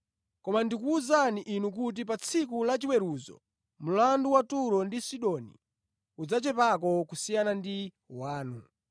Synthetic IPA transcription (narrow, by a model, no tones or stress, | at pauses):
kɔmandikuːzaniʔinukut̬ip̬at͡sʰikulat͡ʃiwɛɾuzɔ̰ | m̩landuwatuɾɔndisiɗɔnḭ | ud͡zat͡ʃɛpakɔkusijanandi | waːnu